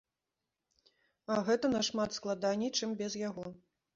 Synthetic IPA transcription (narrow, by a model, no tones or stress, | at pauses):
ɐɣɛt̪ɐnɐʂmat̪sklˠad̪anʲit͡ʂɨmbʲɛzjaɣɔ